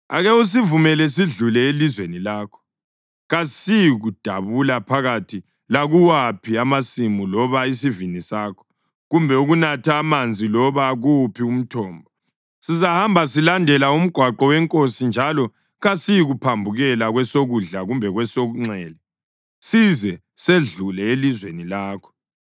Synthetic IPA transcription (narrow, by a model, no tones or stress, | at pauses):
a̰ɣɛus̬ivumɛlɛs̬iɮulɛelizwenilaːkʰɔ̥ | ɣasijɣud̥ʱaβulapʰaɣatʰi | laɣuwapʰiamasimulɔβais̬ivinisaːkʰɔ̥ | ɣumbʱɛuɣunatʰaːmand͡zʱilɔβaɣupʰium̩tʰɔːmbʱɔ | sizahambʱasilandʱɛlaum̩ɡ̥ʱwaǃɔwɛŋkʼosind͡ʒʱalɔ | ɣasijɣupʰambʱuɣɛlaɣwɛsoɣuɮaɣumbʱɛɣwɛsoɣuŋ͡ǀɛːlɛ | sizɛ | seɮulɛelizwenilaːkʰɔ̥